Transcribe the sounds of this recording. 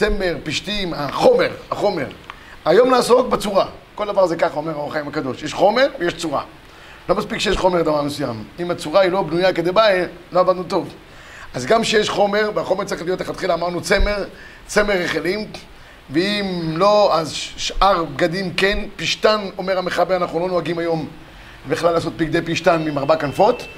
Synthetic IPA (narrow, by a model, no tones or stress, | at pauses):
t͡seme̞ʁpiʃt̪imaχo̞me̞ʁaχo̞me̞ʁ | ajo̞mnaːsook̚bet͡suʁako̞ld̪avaʁzekaχaomeʁaoχajimakad̪o̞ʃjeʃχo̞me̞ʁvejeʃt͡suʁa̰ | lo̞maspikʃejeʃχo̞med̪avaʁmesujamimat͡suʁailo̞bnujaked̪ebaelo̞avad̪nut̪o̞v | ʔazɡamʃejeʃχo̞me̞ʁveaχo̞meʁt͡saʁiχlijo̞t̪leχat̪χilaːmaʁnut͡se̞me̞ʁ | t͡se̞meʁːeχelim | veimlo̞azʃʔaʁbɡad̪imkenpiʃtano̞me̞ʁameχabeʁanaχnulo̞noaɡimajo̞m | biχlalːaːs̬o̞t̪̚biɡd̪e̞jpiʃt̪anmimaʁbakanfo̞t̪